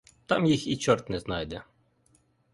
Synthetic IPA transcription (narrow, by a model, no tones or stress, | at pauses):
t̪ɑmjixit͡ʃɔɾt̪nɛznɑjd̪ɛ